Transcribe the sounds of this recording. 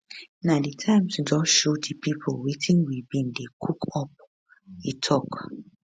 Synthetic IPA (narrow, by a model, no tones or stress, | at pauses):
naditʰãɪ̃msd͡ʒɔʃotipipʰolwetʰĩŋwibin̩dekʰukʰɔp̚ | itʰɔk